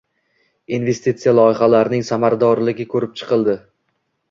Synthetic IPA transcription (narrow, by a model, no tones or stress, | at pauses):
inve̞st̪it̪sijalˠɒjɪχalaɾɪnɪŋsamaɾad̪ɒɾlɪɡʲɪkʰɵɾɪp̚t͡ʃʰɨ̥qɨlˠd̪ɪ